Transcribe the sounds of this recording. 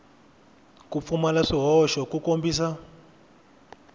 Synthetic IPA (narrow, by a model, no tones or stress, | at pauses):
kup̪fumalaʂiɦɔʃɔkukombiːsa